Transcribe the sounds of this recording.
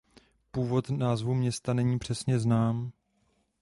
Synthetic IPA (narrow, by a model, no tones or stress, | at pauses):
puːvo̞t̪naːzvumɲɛst̪anɛɲiːpr̝̥ɛsɲɛznaːm